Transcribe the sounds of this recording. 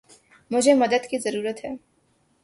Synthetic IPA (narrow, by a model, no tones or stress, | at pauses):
mʊd͡ʒʱemɐd̪əd̪kizɐɾuːɾət̪ɦɛː